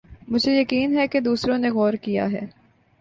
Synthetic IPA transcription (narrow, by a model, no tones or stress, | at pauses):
mʊd͡ʒʱejɐkiːnɦɛked̪uːsɾõneɣɔːɾkija̰ɦɛ̰ː